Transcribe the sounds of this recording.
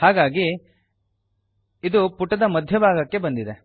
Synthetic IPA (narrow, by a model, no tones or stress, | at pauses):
haːɡaːɡi | d̪upuʈːɐd̪ɐmɐd̪ʱjɐbʱaːɡɐkːe̞bɐnd̪id̪e